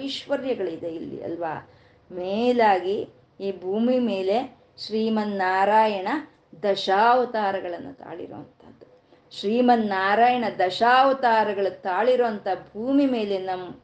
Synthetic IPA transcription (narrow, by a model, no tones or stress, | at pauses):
iʃʋɐɾjɐɡɐɭid̪eilːḭɐ̰lʋa̰ː | meːlaːɡi | iːbʱuːmime̞ːle̞ | ʃɾiːmɐnːaːɾaːjɐɳɐ | d̪ɐʃaːʋɐt̪aːɾɐɡɐɭɐnːut̪a̰ːɭḭɾo̰ːɐnt̪ʰɐd̪ːu | ʃɾiːmɐnːaːɾaːjɐɳɐd̪ɐʃaːʋɐt̪aːɾɐɡɐɭut̪aːɭiɾoːɐnt̪ʰɐbʱuːmime̞ːle̞nɐm